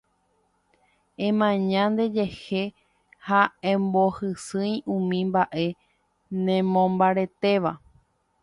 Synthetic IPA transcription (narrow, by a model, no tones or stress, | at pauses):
ẽ̞mãɲãnd̪e̞d͡ʒehe̞ | haẽmbo̞hɨsɨ̃jũmĩmbaʔe̞ | nẽmõmbaɾe̞t̪e̞ʋa